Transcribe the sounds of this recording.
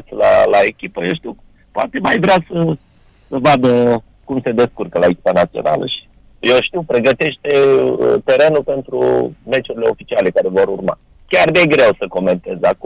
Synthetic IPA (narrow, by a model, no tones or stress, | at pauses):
t̪sʲla̰lae̞kʲipəjewʃt̪iw | poa̰t̪e̞majvɾeasə | səvad̪ə | kumse̞d̪e̞skurkəlaekʲi̥panat̪sio̞̰na̰lə̰ʃi̥ | je̞wʃt̪iwpɾe̞ɡət̪e̞ʃt̪e̞ət̪e̞ɾe̞nulpe̞nt̪ɾṵme̞t͡ʃuɾile̞o̞fit͡ʃiale̞kaɾe̞vo̞ɾurma̰ | kʲard̪eɡɾe̞wsəko̞me̞nt̪e̞zak